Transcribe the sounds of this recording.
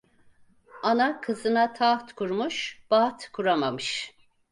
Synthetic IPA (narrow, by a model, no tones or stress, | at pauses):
anakʰɯzɯnat̪ʰat̪kʰuɾmuʃb̥aːt̪kʰuɾamamɯʃ